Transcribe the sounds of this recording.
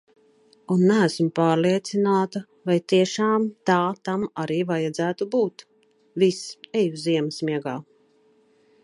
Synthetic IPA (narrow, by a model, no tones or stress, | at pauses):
unːææsmpaːɾliɛt̪sinaːt̪a | vajt̪iɛʃaːmt̪aːt̪amaɾiːvajad̪zæːt̪ubuːt̪ | visɛjuziɛmɨsmiɛɡaː